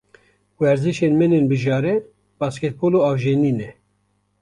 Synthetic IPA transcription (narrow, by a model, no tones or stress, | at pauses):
wɛɾziʃenmɛneːnbɨʒɑːɾɛ | bɑːskɛt̪̚boːloɑːvʒeniːnɛ